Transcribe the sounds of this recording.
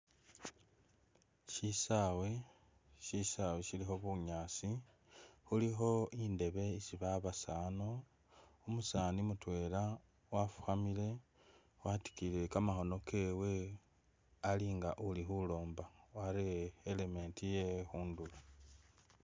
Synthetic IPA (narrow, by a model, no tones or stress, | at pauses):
ʃisawe | ʃisaweʃilixo̞βuɲaːsi | xulixo̞inde̞βe̞isiβaβasaːno | umusaːnimutwe̞ːla | wafu̥xamile̞ | wati̥kile̞kamaxo̞no̞kʰe̞ːwe̞ | aliːŋɡaʔulixulo̞ːmbawaɾeːle̞me̞ːntijexuːndula